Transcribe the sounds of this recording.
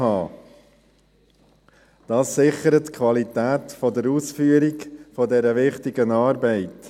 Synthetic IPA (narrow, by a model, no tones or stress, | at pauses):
ɑː | d̥ɑːsːɪχəɾətkʰʋɑlit̪æːtfɔdəɾuːsfyːəɾɪɡfɔdɛɾəʋɪχtɪɡənɑːɾbɛɪt